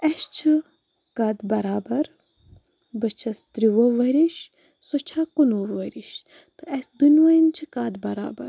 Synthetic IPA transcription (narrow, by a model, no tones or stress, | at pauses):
ɐʃt͡ʃʰɨ | kad̪bɐɾaːbɐɾ | bət͡ʃʰɐst̪ɾiʋoʋɐɾiʃ | sot͡ʃʰakunoːʋɐɾiʃ | t̪ɨɐsʲd̪unʲʋɐjint͡ʃʰɨkaːd̪bɐɾa̰ːbɐ̰ɾ